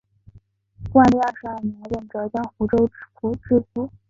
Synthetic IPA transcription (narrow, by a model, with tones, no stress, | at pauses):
kwa˥˧li˥˧a˥˧ʂɻ̩˧˥a˥˩mɛ˧˥ɥɛ˨˩nʈ͡ʂɤ˧˥t͡ɕjɑ˥ŋxu˧˥ʈ͡ʂo˥ʊfu˧˥ʈ͡ʂɻ̩˥˩fu˥˩